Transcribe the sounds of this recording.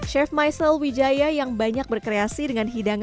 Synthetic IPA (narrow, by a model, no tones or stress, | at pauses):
ʃɛfmajsəlwid͡ʒajajaŋbaɲak̚bərkɾeasidəŋanɦidaŋ